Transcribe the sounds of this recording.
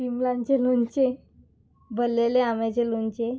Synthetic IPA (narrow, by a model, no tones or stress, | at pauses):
fimlãnt͡ɕelont͡ɕe | bəlːeleamɛt͡ɕelont͡ɕe